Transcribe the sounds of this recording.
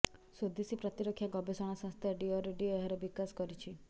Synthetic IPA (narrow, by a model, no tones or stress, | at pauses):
sod̪isipɾɔt̪iɾɔkʰːjaɡɔbesɔɽ̃asɔ̃ŋst̪ʰaɖiɔɾeɖieɦɔɾɔbikaskɔɾit͡ʃʰi